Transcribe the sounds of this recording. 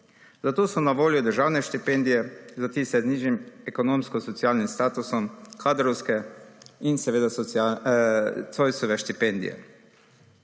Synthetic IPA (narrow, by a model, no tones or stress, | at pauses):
zat̪oːsɔnaʋoːljɔd̪əɾʒaːwnɛʃt̪ipeːnd̪ijɛzat̪iːsɛzniːʒimɛkonõːmskɔsɔt̪siaːlnimst̪aːt̪usɔmkaːd̪ɾɔwskɛinsɛʋeːd̪asa | sojsɔʋɛʃt̪ipend̪ḭjɛ̰